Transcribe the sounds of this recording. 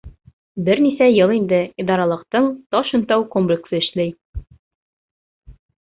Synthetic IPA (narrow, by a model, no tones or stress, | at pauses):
bɘɾnisæjɤlˠind̪ɘid̪ɑɾɑlˠɤ̆qt̪ɤɴt̪ɒʃɤ̆nt̪ɑwkomplʲɪksɤɘ̆ʃlæj